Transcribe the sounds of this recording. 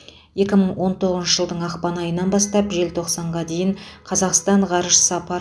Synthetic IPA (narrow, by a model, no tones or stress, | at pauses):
je̞kʲɪməɴwo̞nt̪ʰo̞ʁəzʃəʒəlˠd̪əɴɑqpɑnɑjənɑnbɑst̪ɑpʒe̞lt̪ʰo̞qsɑɴʁɑd̪e̞jɪɴqʰɑzɑqst̪ɑɴʁɑɾʒə̥səɑpɑɾ